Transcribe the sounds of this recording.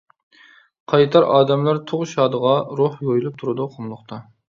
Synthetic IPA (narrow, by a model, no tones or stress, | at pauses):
qʰɑjt̪ʰɑɾɑːd̪ɛmlæɾt̪ʰoʁʃɑːd̪əʁɑɾohjojulˠɨp̚t̪ʰuɾɨd̪uqʰomlˠʊqt̪ʰɑ